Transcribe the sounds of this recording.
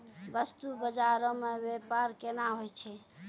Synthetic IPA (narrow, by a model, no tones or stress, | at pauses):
bəst̪ubəd͡ʒaɾõmebepaɾkenaɦojt͡ʃʰɛ